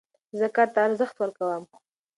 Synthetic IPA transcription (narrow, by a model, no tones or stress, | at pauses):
zəkaɾt̪aːɾzəxt̪wəɾkawəm